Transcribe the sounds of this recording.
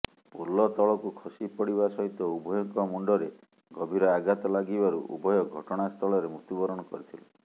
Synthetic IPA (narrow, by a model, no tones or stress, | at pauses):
mulːɔt̪ɔɭɔkukʰɔsipɔɽibasɔɦit̪ɔubʱɔjɔŋkɔmuɳɖɔɾe | ɡɔbʱiɾɔaɡat̪ɔlaɡibaɾṵʔṵbʱɔjɔɡʱɔʈɔɽ̃ast̪ʰɔɭɔɾemut̪ubɔɾɔɽ̃ɔkɔ̰ɾit̪ʰilɔ